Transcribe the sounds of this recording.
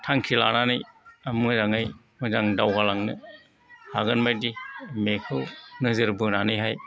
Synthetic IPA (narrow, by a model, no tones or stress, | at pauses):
tʰaŋkʰila̰nanɯjamzaŋɯj | mɯzaŋdawɡalaŋnɯ | haɡɯnmajdimekʰɯwnɯzɯɾbɯnanɯjɦaj